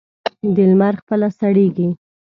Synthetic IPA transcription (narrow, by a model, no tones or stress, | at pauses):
d̪ɪlmaɾxpəlasaɽeɡi